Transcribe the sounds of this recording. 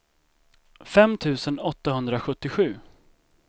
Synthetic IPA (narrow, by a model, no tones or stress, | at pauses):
fɛmt̪ʰʉ̟ːsənɔt̪ːaɦɵnd̪ɾaɧɵt̪ːɪɧʉ̟ː